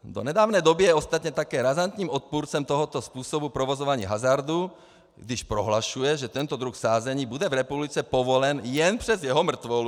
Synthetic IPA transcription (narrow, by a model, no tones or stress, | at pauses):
d̪ɔ̰ɲɛd̪aːʊnɛjd̪ɔbijɛɔst̪at̪ɲɛt̪akɛːɾazant̪ɲiːmɔt̪̚puɾt͡sɛmt̪ɔɦɔt̪ɔspuːsɔbupɾɔʋɔzɔʋaɲḭːɦazaɾd̪u | ɡd̪iʃpɾɔɦlaʃujɛʒɛt̪ɛnt̪ɔd̪ɾuxfsaːzɛɲiːbud̪ɛvɾɛpublit͡sɛpɔʋɔlɛnjɛnpr̥ɛzjɛɦɔmr̩t̪ʋɔ